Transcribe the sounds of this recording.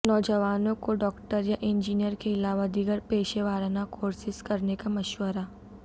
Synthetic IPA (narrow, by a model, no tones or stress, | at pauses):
nɔːd͡ʒəʋaːnõkoɖɔːkʈəɾjaʔɪ̃nd͡ʒiːnijəɾkeɪlaːʋad̪iɡəɾpeːʃeʋaːɾanakoːɾsɪskɐɾnekamɐʃwəɾa